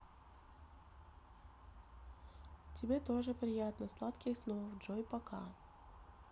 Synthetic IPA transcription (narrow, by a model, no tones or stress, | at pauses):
tʲɪbʲet̪oʐɨpɾʲɪjat̪nəslˠat̪kʲɪsnovʐojpɐka̰